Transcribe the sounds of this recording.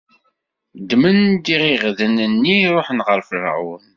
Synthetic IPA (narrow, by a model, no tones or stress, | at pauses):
d̪mənd̪iʁiʁðənənːiɾˤoħnʁəɾfəɾ̰ʕṵn